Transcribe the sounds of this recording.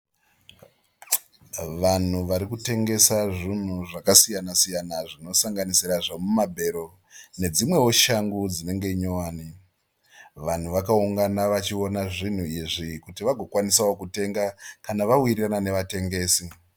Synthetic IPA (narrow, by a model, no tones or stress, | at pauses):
ʋan̤uʋaɾikute̞ŋɡe̞saʐin̤uʐakasijanasijanaʐino̞saŋɡanisiɾaʐamumabʱe̞ɾo̞ | ne̞d͡zimwe̞wo̞ʃaŋɡud͡zine̞ŋɡe̞iɲowaːni | ʋan̤uʋakauŋɡanaʋat͡ʃio̞naʐin̤uiʐikutiʋaɡʱo̞kwanisaokute̞ŋɡakanaʋawiriranane̞ʋate̞ŋɡe̞ːsi